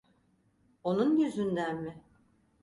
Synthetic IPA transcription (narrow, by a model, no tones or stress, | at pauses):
o̞nunjyzynd̪ænmɪ